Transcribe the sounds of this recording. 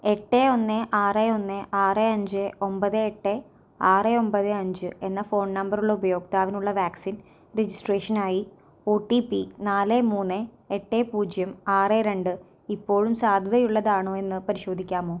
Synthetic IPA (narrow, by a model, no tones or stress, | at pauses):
e̞ʈːeo̞nːeʔaːreo̞nːeʔaːreɐɲd͡ʑɨo̞mbɐðɨeʈːe | aːreo̞mbɐðɨɐɲd͡ʑɨe̞nːɐfo̞ːɳnɐmbɐruɭːubɐjo̞ːɡ̚t̪aːʋinuɭːɐʋaːksin | ɾed͡ʑisʈreːʂɐnaːji | oːʈːipːinaːlemuːnːe | eʈːeːpuːd͡ʑjɐmaːreɾe̞ɳɖɨ | ipːo̞ːɻumsaːd̪ʱɐðɐjuɭːɐðaːɳoːe̞nːɨpɐɾiɕo̞ːd̪ʱikʲːaːmo̞ː